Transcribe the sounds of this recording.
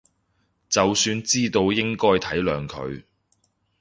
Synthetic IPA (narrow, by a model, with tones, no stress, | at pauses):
t͡sɐ˨wsyː˧nt͡siː˥t̪o˧wjɪ˥ŋkɔː˥jt̪ʰɐ˨˥jlœː˨ŋkʰɵ̰˨˧ɥ